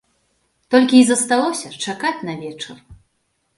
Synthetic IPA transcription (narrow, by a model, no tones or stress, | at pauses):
t̪ɔlʲkʲiːzɐst̪alˠɔsʲɐt͡ʂakat͡sʲnɐvʲɛt͡ʂɐr